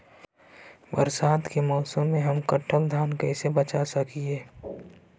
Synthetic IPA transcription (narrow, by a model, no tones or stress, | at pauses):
bəɾsaːd̪kemɔːsəmːẽɦɐmkəʈʰːəld̪ʱjaːnkɛɪsebət͡ʃasəkʰieː